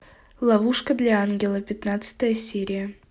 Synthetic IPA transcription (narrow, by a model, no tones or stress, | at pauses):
lˠɑvuʂkəd̪lʲaanɡʲɪlˠəpʲɪt̪nat̪sɨ̥t̪əjəsʲeɾʲɪjə